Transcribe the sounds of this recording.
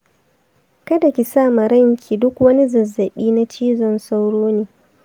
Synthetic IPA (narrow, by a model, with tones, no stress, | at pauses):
kɐ˦da˨kʲi˨saː˦˨ma˨ɾɐ˦ŋkʲʰiː˨dʊ˦kwɐ˦ni˦zɐ˨zːɐ˨ɓiː˦na˦t͡ʃiː˦zɔ˦˨nsa˦wɽoː˦neː˨